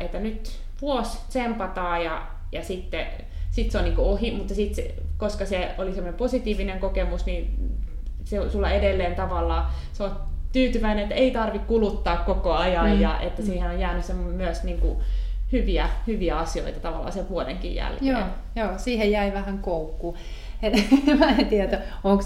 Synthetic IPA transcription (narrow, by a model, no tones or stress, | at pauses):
et̪ːænyt̪ | ʋuosʲt̪sempɑt̪ɑːjɑ | jɑsit̪ːe | sit̪seoniːŋkoohimut̪ːɑsit̪sekoskɑseolisemːonemposit̪iːʋineŋkokemusni | seosulːɑedelːeːnt̪ɑʋɑlːɑː | seot̪yːt̪yʋæineet̪ːæeit̪ɑrʋikkulut̪ːɑːkkokoɑjɑjjɑʔḛt̪ːæsiːhenojjæːnysemːommyøsniːŋkṵhyʋiæhyʋiæɑsio̰it̪ɑt̪ɑʋɑlːˑɑ̰ːseʋʋuodḛŋkḭjjæ̰lkḛː | joːsiːhejjæiʋæhæŋkoukːuː | enmæt̪iæt̪æoŋk